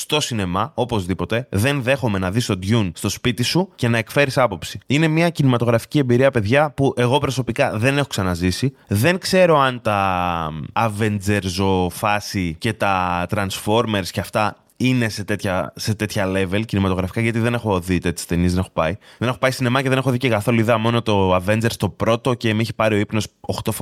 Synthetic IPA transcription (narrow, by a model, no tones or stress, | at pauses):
st̪o̞sine̞mɐo̞po̞zðipo̞t̪e̞ðe̞nðe̞xo̞me̞nɐðist̪o̞d̪ʝunst̪o̞spit̪isuce̞nɐe̞kfe̞ɾisɐpo̞psiine̞miɐcinimɐt̪o̞ɣɾɐfi̥cie̞mbiɾiɐpe̞ðʝɐpuʔe̞ɣo̞pɾo̞so̞pikɐðe̞ne̞xo̞ksɐnɐzisiðe̞ŋkse̞ɾo̞ɐnt̪ɐː | ve̞nd͡ze̞ɾzo̞fɐsice̞t̪ɐt̪ɾɐnsfo̞ɾme̞ɾsceɐft̪ɐ | ine̞se̞t̪e̞t̪çɐset̪e̞t̪çɐle̞ve̞lcinimɐt̪oɣɾɐfi̥kɐʝɐt̪iðe̞ne̞xo̞ðit̪e̞t̪ʰːe̥st̪e̞niezðenexo̞pɐiðene̞xo̞pɐisine̞mɐceðe̞ne̞xoðicekɐθo̞luiðɐmo̞no̞t̪o̞ɐve̞nd͡ze̞ɾst̪o̞pɾo̞t̪o̞ce̞miçi̥pɐɾio̞ipno̞soxt̪of